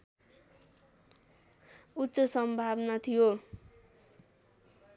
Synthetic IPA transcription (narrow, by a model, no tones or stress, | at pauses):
utːsʌsʌmbʱabnʌt̪ʰijo